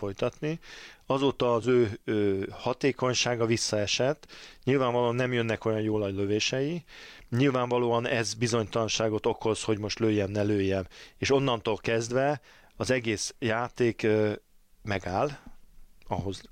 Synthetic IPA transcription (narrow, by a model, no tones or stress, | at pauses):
fo̞jt̪ɒt̪niɒzoːt̪ɒːzøːøhɒt̪eːko̞ɲʃaːɡɒvisːɒɛʃɛt̪ːɲilvaːɱvɒloːɒnːɛmjønːɛko̞jɒnjoːlɒjløveːʃɛji | ɲilvaːɱvɒloːɒnɛzbizo̞ɲt̪ɒlɒnʃaːɡo̞t̪o̞kʰo̞sho̞ɟmo̞ʃt̪løːjːɛmnɛløːjːɛmeːʃo̞nːɒnt̪oːlkɛzd̪vɛ | ɒzɛɡeːsjaːt̪eːk | mɛɡaːl | ɒɦo̞z